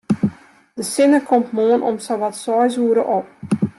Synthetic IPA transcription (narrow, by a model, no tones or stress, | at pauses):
d̥əsɪnəkʰɔmtmoənʔɔ̰msaʋatsɔjzuəɾəʔop̚